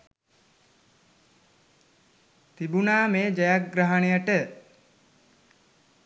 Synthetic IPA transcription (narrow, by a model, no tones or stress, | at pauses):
t̪ibunaːmeːd͡ʒajakɡɾaɦanejaʈə